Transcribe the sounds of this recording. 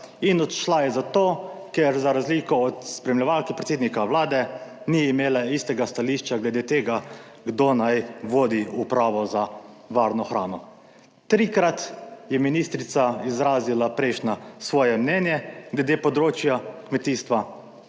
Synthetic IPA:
inɔt̪ʃlajɛzat̪oːkɛɾzaɾazliːkɔɔt̪spɾɛmlʲɛʋalkipɾɛt̪sed̪nikaʋlaːd̪ɛniimeːlaist̪ɛɡast̪aliʃt͡ʃaɡlɛd̪eːt̪eːɡa | ɡd̪oːnajʋoːd̪iupɾaːʋɔza | ʋaɾnɔxɾaːnɔ | t̪ɾikɾat̪jɛminist̪ɾit̪saizɾaːzilapɾɛɪʃnasʋɔːjɛmnɛːnjɛɡlɛd̪eːpɔd̪ɾoːt͡ʃjakmɛt̪iːst̪ʋa

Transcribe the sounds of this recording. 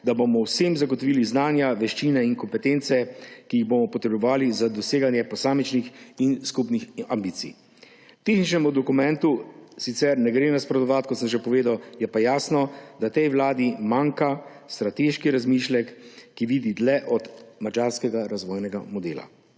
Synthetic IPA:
d̪abomɔwsemzaɡɔt̪ɔʋiːliznaːnjaʋɛʃt͡ʃiːnɛiŋkɔmpɛt̪ent̪sɛkiːɣbomɔpɔt̪ɾɛbɔʋaːlizad̪ɔseːɡanjɛpɔsaːmit͡ʃnixinskupnixambiːt̪sḭ | t̪eːxnit͡ʃnɛmud̪ɔkumɛnt̪usit̪sɛɾnɛɡɾenaspɾɔd̪ɔʋat̪kɔt̪səmʒepɔʋeːd̪awjɛpajaːsnɔd̪at̪ɛjʋlaːd̪imaŋka | st̪ɾat̪eːʃkiɾazmiːʃlɛkːiʋiːd̪id̪lɛʔɔd̪mad͡ʒaːɾskɛɡaɾazʋɔjnɛɡamɔd̪eːla̰

